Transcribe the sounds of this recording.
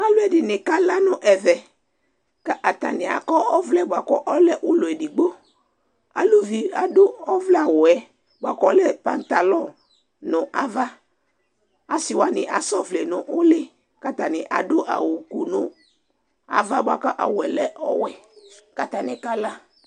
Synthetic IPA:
a˨lʊ˦ɛ˨dɪ˨nɪ˨ka˦la˦nʊ˦ʔɛ˨vɛ˨ | ka˦ʔa˨t̪a̰˨nɪ˨a̰˨kɔ˦ɔ˦vlɛ˦bʊ˨a˨kɔ˦ʔɔ˦lɛ˦ʔʊ˦lʊ˨ɛ˨dɪ˨ɡ͡bo˦ | a̰˨lu˦vi˨a̰˨dʊ˦ɔ˦vlɛ˦a˨wʊ˨ɛ˨ | bʊ˨a˨kɔ˦lɛ˦pa˨nt̪a˨lɔ̃˦˨ | nʊ̃˨ʔa˦va˦ | a˨sɪ˨wa˦nɪ˨ʔa˨sɔ˦vle˨nʊ˨ʔʊ˦lɪ˦ | ka˦t̪a˨nɪ˨ʔa̰˨dʊ˦ʔa̰˨wʊ˨ku˨nʊ˨ | a̰˨va˦bʊ˦a̰˨kɔ˦ʔa̰˨wʊ˨ɛ˨lɛ˦ʔɔ̰˦wɛ˨ka˨t̪a˨nɪ˨ka˦la˦

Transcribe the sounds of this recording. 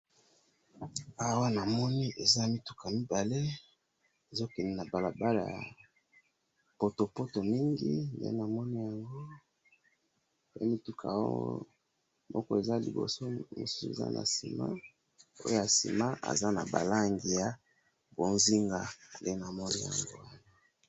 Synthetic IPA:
a˨wa˦na˨mɔ˦ni˦ʔe˨za˦mi˦tu̥˦kʰa˨mi˦ba˨le˦ | e˨zo˦kɛ˨ni˦na˨ba˨la˨ba˦la̰a˨ | po˨to˨po˦to˨mi˦ŋɡḭ˦ndḛ˦na˨mɔ˦ni˦ja˨ŋɡo˦ | ḛ˦mi˦tu˦kʰa̰˨o̰˦o̰˦ | mʔɔ̰˦kɔ˦e˨za˦lḭ˨bo̰˨so˦mo̰˨su̥˦su˦ḛ˨za̰˦nʔa̰˨si˨ma̰˦ | o˦jo˦ja˨sḭ˨ma˦ʔa̰˨za˦na̰˨ba̰˨la˦ŋɡi˨ja˦ | bo˨nzi˦ŋɡa˦nde˦na˨mɔ˦ni˦ja̰˨ŋɡo̰˦wa˦na˦˨

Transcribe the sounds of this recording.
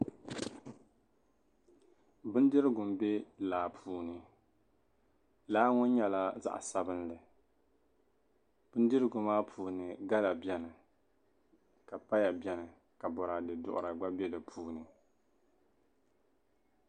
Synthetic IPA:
bɨ˦n˦dɨ˦ɾɨ˦ɡʊ˨m̩˨be˦laː˨pʰuː˨˦nɨ˨ | laː˦ŋʊ˦n˦ɲɛ˨la˦za̰˦ʔsa˦bɨ˦nlɨ˨ | b̥ʊ˦n˦dɨ˦ɾɨ˦ɡʊ˨maː˦pʰuː˨nɨ˨ɡa˦la˨bjɛ˦nɨ˨ | ka˨pa˦ja˨bʲɛ˨nɨ˨ | ka˨bɔ˨ɾa˨dɨ˨dʊ̰˦ʔʊ̰˨ɾa˨ɡ͡ba˦bɛ˦lɨ˨pʰuː˨nɨ˨

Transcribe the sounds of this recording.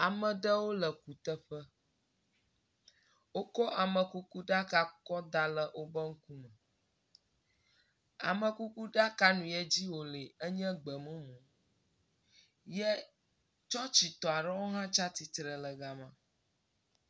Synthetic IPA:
a˨mə̃˨ɖə˦wo˦lə˨ku˨t̪ə˦ɸə˦ | wo˦kɔ˦ʔa˨mə̃˨ku˦ku˦ɖa˦ka˦kɔ˦d̪a˦lə˦ʔo˦bə˦ŋ̩˦ku˦mə̃˨ | a̰˨mə̃˨ku˦ku˦ɖa˦ka˦nũ˨jɛ˦d͡ʑi˦wo˨le˨ə˦ɲɛ̃˦ɡ͡bə˨mə̃˦mũ˨ | jɛ˦ | t͡ʃɔ˦t͡ɕi˨t̪ɔ˨a˨ɖə˦wo˦ɦã˦t͡ʃa˦t̪i˨t̪ɾə˨lə˨ɡa˨mã˨

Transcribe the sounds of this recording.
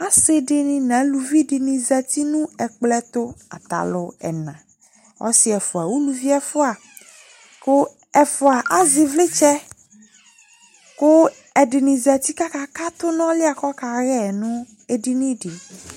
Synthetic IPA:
a˦se˦ɖɪ˦nĩ˦nã˨˦lu˨vi˦ɖɪ˨nĩ˨zɛ˨t̪i˦nũ˦ɛ˨k͡plɛ˦t̪ʊ˦a̰˨t̪a̰˨lʊ˦ɛ̰˨nã̰˨ | ɔ̰˦sɪ˨˦ɛ˨fʊ˨a˨wu˦lu˦vi˦ɛ˦fʊ˦a˨ | kʊ˦ | ɛ˨fʊ˨a˨ʔa˦zɪ˨vlɪ˦t͡ʃɛ˦ | kʊ˦ | ɛ˨ɖɪ˨nĩ˨za˨t̪i˦ka˦ka˦ka˦t̪ʊ˦nɔ̃˦lɪ˦a˨kɔ˦ka˨ɣɛ˦˨nũ˦ | e˦ɖi˦nĩ˦ɖi˨

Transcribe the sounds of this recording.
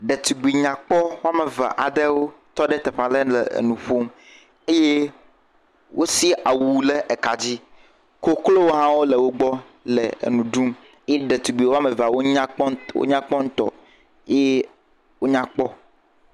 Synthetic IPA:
ɖe˨t̪u˨ɡ͡bi˨ɲã˨k͡pɔ˦wo˦a˦me˨va̰˨ʔa˨d̪e˦wo˦t̪ɔ˦ɖe˦t̪e˨ɸa˨le˦lḛ˨nũ˨ɸo˦m | e˦je˦ | wo˦si˦ʔa˨wu˨le˦ʔe˨ka˨d͡ʑi˦ | ko˦klo˦wo˦ɦã˦wo˦le˨wo˦ɡ͡bɔ˦ | lḛ˨nũ˨ɖu˦m | e˦je˦ɖe˨t̪u˨ɡ͡bi˨wo˦a˦me˨va˨wo˦ɲa˦wo̰˦ɲã˦k͡pɔ˦ŋ̩̃˦t̪ɔ̰˨ | e˦je˦ | wo˦ɲã˦k͡pɔ˦

